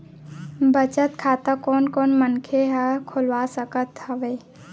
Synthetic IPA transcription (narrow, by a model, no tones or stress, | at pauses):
bət͡ʃət̪kʰaːt̪akɔːnkɔːnmənkʰeɦɛkʰʊlʋasəkət̪ɦəʋeː